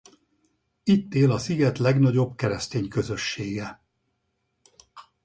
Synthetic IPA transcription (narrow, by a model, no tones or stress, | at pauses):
it̪ːeːlɒsiɡɛt̪lɛɡnɒɟo̞bkɛɾɛst̪eːɲkø̞zø̞ʃːeːɡɛ